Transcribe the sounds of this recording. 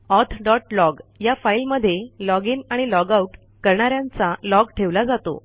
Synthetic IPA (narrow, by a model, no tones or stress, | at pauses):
ɔt̪ʰɖɔʈlɔɡjafailməd̪ʱːjelɔɡiːnaɽ̃ilɔɡauʈ | kəɾɳ̃aɾjãnt͡salɔɡʈʰeʋlad͡zat̪o̰